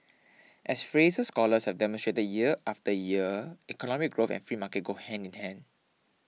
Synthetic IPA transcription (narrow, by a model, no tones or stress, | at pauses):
ʔɛsfɹesəskɔləshɛvdɛmɔ̃nstɹetəd̚jiəʔaftəjiəikɔnɔmik̚ɡɹofɛ̰̃nfɹiːmakət̚ɡohɛ̃ndĩnhɛ̃nd